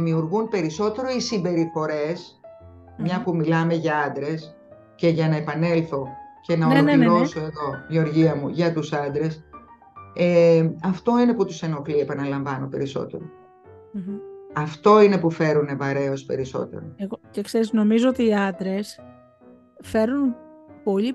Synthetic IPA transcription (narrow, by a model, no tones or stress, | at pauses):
miuɾɣunpe̞ɾiso̞t̪e̞ɾo̞isimbe̞ɾifo̞ɾe̞s | mɲɐpumilɐme̞ʝɐɐnd̪ɾe̞s | ce̞ʝɐnɐe̞pɐne̞lθo̞ce̞nɐoloioso̞e̞ðo̞ʝio̞ɾʝiɐmuʝɐt̪usɐnd̪ɾe̞s | eɐft̪o̞ine̞put̪use̞no̞kliepɐnɐlɐɱvɐno̞pe̞ɾiso̞̰t̪e̞̰ɾo | ɐft̪o̞ine̞pufe̞ɾune̞vɐɾe̞o̞spe̞ɾiso̞̰t̪e̞̰ɾoeɣocekseɾizno̞mizoot̪iːɐnd̪ɾe̞s | feɾunpo̞ʎi